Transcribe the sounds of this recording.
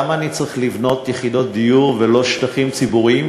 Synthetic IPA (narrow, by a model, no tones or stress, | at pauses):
maːnit͡saʁiχlivno̞t̪jeχid̪o̞t̪̚d̪ijuʁvelo̞ʃt̪aχimt͡sibuʁiim